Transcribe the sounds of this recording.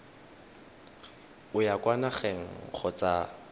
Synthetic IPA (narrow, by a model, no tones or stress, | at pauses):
ʊjakwanaχɛŋ̩χʰɔt͡sʼa